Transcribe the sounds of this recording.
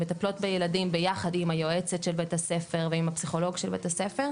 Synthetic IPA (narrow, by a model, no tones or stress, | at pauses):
metaplo̞tbejeladimbe̞jaχadimajo̞et͡setʃelbetase̞fe̞ʁveimhapsiχo̞lo̞ɡʃelbḛtasefeʁ